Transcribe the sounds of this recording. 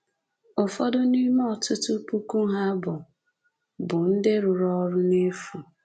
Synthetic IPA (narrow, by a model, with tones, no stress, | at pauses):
ʊ˨fɔ˦dʊ˦ni˦mɔ˦˨tʊ˦tʊ˦pu˦ku˦ɦa˦bʊ˨ | bʊ˨n̩˦dɪ˦ɾʊ˨ɾɔ˦ɾʊ˦ne˦fu˨